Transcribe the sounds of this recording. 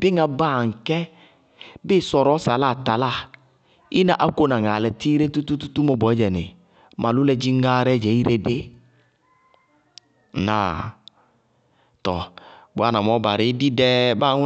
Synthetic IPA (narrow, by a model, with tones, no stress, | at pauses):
bɪ˦ŋã˨baː˦˨ŋ̩˨kɛ˦ | bɪ˦sɔ˨ɾɔ˨˦sa˨la˦˨t̪a˨la˦˨ | i˦nã˦ʔa˦ko˦nã˨ŋa˨lɛ˨ti˦ɾe˦tu˦t̪u˦tu˦t̪u˦mɔ˦bɔ˨ɛ˦d͡ʒɛ˨nɪ̰˨ | mʔa˨lʊ˦lɛ˦d͡ʒi˦ŋ˦ɡa˦ɾɛ˦d͡ʒɛ˨˦i˦ɾe˦de˦˨ | na̰˨ | t̪ɔ˨bʊ˨a˦˨nã˨mɔ˨˦ba˨ɾɪ˨˦di˦dɛ˦ba˦˨˦ŋ˦